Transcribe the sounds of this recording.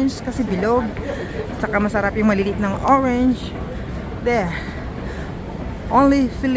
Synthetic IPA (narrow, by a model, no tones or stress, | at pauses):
nskɐsɛbɪloɡ̚ | t͡ʃɐkamɐsɐɾapjʊŋmɐlilit̪̚nɐŋʔoɹɛnd͡ʒ | d̪ɛ | ʔonlifil